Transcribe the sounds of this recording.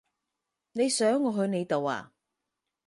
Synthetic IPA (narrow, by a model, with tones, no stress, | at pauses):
ne˨˧jsœː˨˥ŋːɔː˨˧ɦɵ˧ɥne˨˧jt̪o˨wa̰ː˨